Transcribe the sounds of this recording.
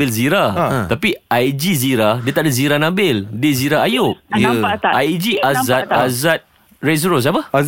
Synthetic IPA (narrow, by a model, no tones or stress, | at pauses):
ɪlziɾat̪apiajd͡ʒiziɾadiət̪aʔdaziɾanãbɪldeziɾaajʊk̚jʔajd͡ʒiazat̪azat̪̚ | ɹes̬ɾos̬apə